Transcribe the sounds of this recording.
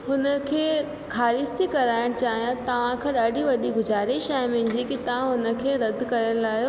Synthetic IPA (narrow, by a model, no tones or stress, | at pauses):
ɦʊnə̆kʰeː | xaːɾɪst̪ikɐɾaːɪɽ̃t͡ɕaːɦijãt̪ɐʋ̤ãkʰãɗaːɖʱiʋɐɗiɡʊzaːɾɪʃaːɪ̃mɪ̃n̆d͡ʑikit̪ɐʋ̤ãɦʊnə̆kʰeːɾɐd̪kɐɾəlaːɦjo